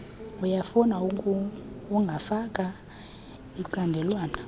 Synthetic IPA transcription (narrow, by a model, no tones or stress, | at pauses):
ujafunaukuuŋɡʱafakʼa | iǃandʱɛlwaːna